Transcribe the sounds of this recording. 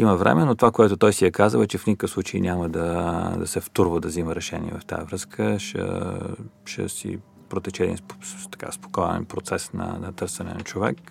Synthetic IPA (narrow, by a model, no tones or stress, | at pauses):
iməvɾɛ̰mɛnot̪ovakoɛt̪ot̪ɔjsiɛkazəlˠɛt͡ʃɛfnʲikə̥kəfslˠut͡ʃeinʲʔaməd̪ɐd̪ɐsɛft̪uɾvəd̪ɐziməɾɛʃɛnʲiɛ̰vɐft̪a̰jəvɾɤskʰəʃə̰ | ʃɛ̰sḭ | pɾot̪ɛt͡ʃɛd̪int̪ɐ̥ka̰spo̥kɔjɛ̰npɾot̪sɛsnɐ̰nɐt̪ɤɾsɛnɛ̰nɐt͡ʃovɛ̰k